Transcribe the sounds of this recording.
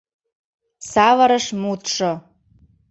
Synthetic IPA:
sɑvəɾəʃmut̪ʃo

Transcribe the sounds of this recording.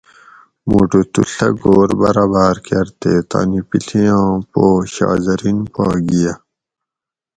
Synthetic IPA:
moːʈot̪ṵɬɐɡoːɾbɐɾaːbaːɾkeɐɾt̪et̪a̰ːnipiɬijãːpoːɕɑ̰ːzɐɾinpaːɡija

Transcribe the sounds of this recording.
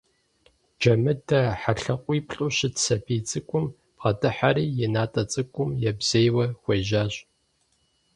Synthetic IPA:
d͡ʒɐmɨdʰɐħaɬɐqʷʼiːpɬʼʊɕɪtsɐpʰiːt͡sʼɨkʷʼʊm | pχɐdɨħaɾiːjɛnaːtʼɐt͡sʼɨkʷʼʊmjɛbz̥ejwɐxʷɐʒaːɕʼ

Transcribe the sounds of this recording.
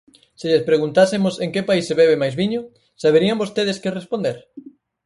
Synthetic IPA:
sɪʎespɾeɣunt̪asɪmoseŋkepaiseβɛβemajzβiɲʊ | saβeɾiambost̪eðeskɪrespond̪eɾ

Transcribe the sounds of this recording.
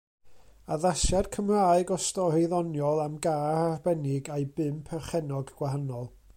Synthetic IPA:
aðasɛrkʰəmraːɨɡɔstɔreðɔnjɔlˠamɡaːrarbɛnɪɡajbɨmpʰɛrχɛnɔɡɡ̥waɦanɔlˠ

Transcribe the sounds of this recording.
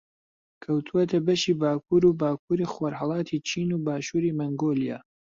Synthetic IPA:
kʰɐwt̪ʰuwɐt̪ʰɐbɐʃiːbaːkʰuːɾubaːk̚ʰuːɾiːxwoɾhɑlˠɑːt̪ʰiːt͡ʃʰiːnuːbaːʃuːɾiːmɐŋɡoːlijaː

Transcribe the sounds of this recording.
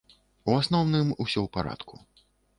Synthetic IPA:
uasnɔwnɨmusʲɔwpaɾa̰t̪kʰu

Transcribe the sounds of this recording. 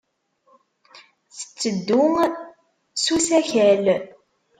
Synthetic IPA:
θə̥t͡sːəd̪ːʊŋ | susæçæl

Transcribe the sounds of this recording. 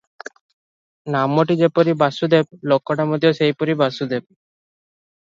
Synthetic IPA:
namːoʈid͡ʑepɔɾibasud̪eb̚lɔkːɔʈamod̪iosejpoɾibasud̪eb̚

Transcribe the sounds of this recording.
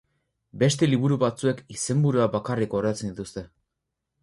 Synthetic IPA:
be̞st̪e̞liβuɾuβat͡sue̞kise̞mbuɾuabakariko̞reat͡se̞nd̪it̪ust̪e̞

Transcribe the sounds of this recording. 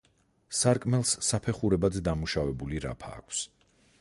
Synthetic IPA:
saɾkʼmɛlˠsːapʰɛχuɾɛbad̪zɛd̪amuʃavɛbuliɾa̰pʰa̰ːkʷʰs

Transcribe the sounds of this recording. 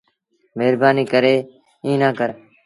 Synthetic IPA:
meːɾbaːniːkəɾeː | ĩːnãːkəɾ

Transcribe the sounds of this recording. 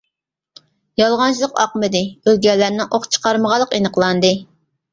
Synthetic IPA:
jɑlˠʁɑnt͡ʃʰlˠəqɑ̰qmɨd̪ɨølɡʲɛlːæɾnɪʔoχt͡ʃʰə̥qɑɾməʁɑlˠːəqenəqlˠɑnd̪ɨ

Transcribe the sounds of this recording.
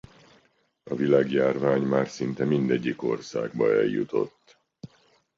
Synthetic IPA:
ɒvilaːɡjaːrvaːɲmaːrsint̪ɛmind̪ɛɟːiko̞rsa̰ːɡ̚bɒ̰ɛ̰jjut̪o̞̰t̪ː

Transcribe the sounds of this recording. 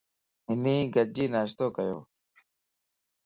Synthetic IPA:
ɪniːɡəd͡ʑiːnaːɕt̪oːkəjo̰ː

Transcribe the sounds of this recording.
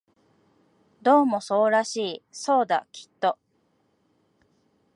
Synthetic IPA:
d̪o̞ːmo̞so̞ːɾaɕiːso̞ːd̪a̰kʲʰi̥t̪ːo̞

